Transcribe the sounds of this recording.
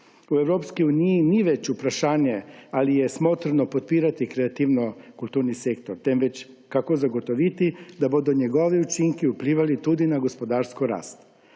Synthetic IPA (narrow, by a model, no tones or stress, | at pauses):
ueʋɾopskojuːnijiniʋet͡ɕupɾaʃaːɲealijesmot̪ɾanopot̪̚piːɾat̪ikɾeat̪iʋnokulˠt̪uːɾnisekt̪oɾt̪emʋet͡ɕ | kako̞zaɡo̞t̪o̞ʋit̪id̪abod̪uɲeɡo̞ʋiut͡ʃiŋkiupliːʋalit̪ud̪inaɡo̞spo̞d̪aːɾskoɾa̰ːst̪